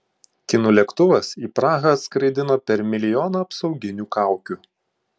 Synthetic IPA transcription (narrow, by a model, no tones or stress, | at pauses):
kʲɪnuːlʲɛkt̪ʊʋɐsiːpɾɑːɣɐːt̪skɾɐɪd̪ʲɪnoːpʲɛɾmʲɪlʲɪjɔːnɐɐpsɒʊɡʲɪnʲuːkɑˑʊkʲuːˑ